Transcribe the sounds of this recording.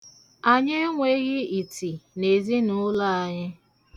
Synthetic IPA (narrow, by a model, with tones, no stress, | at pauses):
a˨ɲe˦ŋʷe˦ɣɪ˦i˨ti˨ne˨zi˦nʊ˦la˦a˨ɲɪ˦